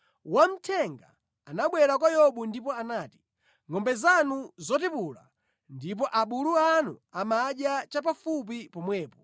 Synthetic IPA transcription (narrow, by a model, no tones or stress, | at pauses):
wam̩tʰɛŋɡaː | naɓwɛɾak̬wajɔɓundipɔanaːti̥ | ŋɔmbɛzanuzɔtipula̰ | ndip̬ɔʔaɓuluanṵamaɗjat͡ʃap̬afup̬ipɔmwɛːpɔ